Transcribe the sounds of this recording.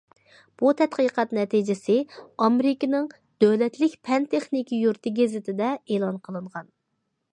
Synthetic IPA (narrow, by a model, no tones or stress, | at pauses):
b̥ut̪ʰɛt̪qɨqɑt̪nɛt̪ʰid͡ʒɪsɪɑmeɾɪkʲɪnɪŋ | d̪̥ølɛt̪lɪkʲpʰɛnt̪ʰeχnikʲijuɾt̪ʰɪɡʲezɪt̪ʰɪd̪ɛeːlˠɑnqʰəlˠɨɴʁɑn